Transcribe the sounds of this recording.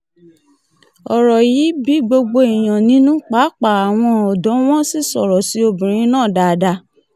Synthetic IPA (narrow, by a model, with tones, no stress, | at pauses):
ɔ˨ɾɔ˨ji˨˦bi˨˦ɡ͡bo˧ɡ͡bo˧i˨j̃ã˨nĩ˨˦nũ˦k͡pa˨˦k͡pa˨a˨w̃ɔ̃˧ɔ˨dɔ̃˨˦w̃ɔ̃˦si˦˨sɔ˨ɾɔ˨si˦o˧bĩ˨ɾ̃ĩ˧˦nãː˦˨da˧˨da˧